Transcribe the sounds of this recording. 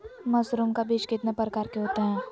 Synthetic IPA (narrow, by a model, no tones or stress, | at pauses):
mɐsɾuːmkabiʃkɪt̪napɾəkaːɾkeɦoːt̪eɦɛ̃ː